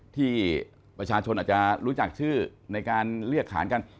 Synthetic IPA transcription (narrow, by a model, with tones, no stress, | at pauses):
t̪ʰiː˥˩ | pɾa˧t͡ɕʰaː˧t͡ɕʰo˧ʔ̪̚ːt͡ɕa˨˩ɾuː˦˥t͡ɕa˨˩k̚t͡ɕʰɯː˥˩na˧jkaː˧nɾɯ˥˩əkʰːa̰ː˩˦nka˧n